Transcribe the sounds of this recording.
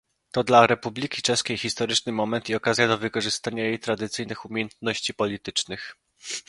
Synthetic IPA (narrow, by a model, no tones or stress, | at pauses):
t̪ɔd̪laɾɛpublʲikʲit͡ʂɛʂskʲejxʲist̪ɔɾɘt͡ʂnɘmɔmɛnt̪iɔkazʲjad̪ɔvɘkɔʐɘst̪aɲajejt̪ɾad̪ɘt̪sɘjnɘxumʲjejɛnt̪nɔɕt͡ɕipɔlʲit̪ɘt͡ʂnɘx